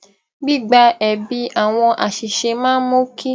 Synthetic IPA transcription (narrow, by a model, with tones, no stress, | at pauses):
ɡ͡bi˦˨ɡ͡ba˧ɛ˨bi˧˦ʔa˦˨w̃ɔ̃˧ʔa˨ʃi˨ʃe˧mãː˦mo˦kʰi˦